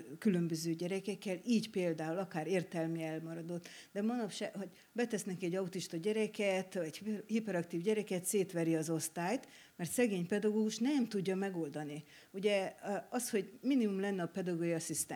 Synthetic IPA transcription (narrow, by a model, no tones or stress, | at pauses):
kylø̞mbøzøːɟɛɾɛkɛkːɛliːɟpeːld̪aːulɒkaːɾeːrt̪ɛlmyɛlmɒɾɒd̪o̞t̪ːd̪ɛmɒnɒpʃaɦo̞ɟ | bɛt̪ɛsnɛkɛɟːɒut̪iʃt̪ɒɟɛɾɛkɛt̪ɒɟhipɛɾɒkt̪iːvɟɛɾɛkɛt̪seːt̪ʋɛɾiɒzo̞st̪aːjt̪ | mɛrt̪sɛɡeːɲpɛd̪ɒɡoːɡuʃnɛmt̪uɟːɒmɛɡo̞ld̪ɒni | uɟɛɒsho̞ɟminimumlɛnːɛɒpɛd̪ɒɡoːɡiɒsist̪ɛ